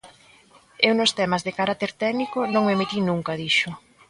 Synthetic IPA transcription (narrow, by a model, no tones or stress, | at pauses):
ewnʊst̪ɛmazðekaɾat̪eɾt̪ɛɡnikʊnõŋmemet̪inũŋkaðiʃʊ